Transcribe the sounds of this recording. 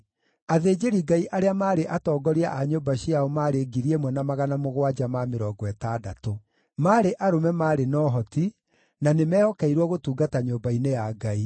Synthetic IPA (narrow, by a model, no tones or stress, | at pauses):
aðeːd͡ʒeɾiɡaiʔaɾeamaːɾeʔatɔːɡɔɾiaʔaɲoːbaɕiaomaːɾeɡiɾiɛmwɛnamaɣanamoɣwad͡ʒamameɾɔːɡɔɛtada̰to | maːɾeʔaɾomɛmaːɾenɔɦɔti | nanemɛːhɔkɛiɾwɔɣotuːɡataɲoːmbainejaɡai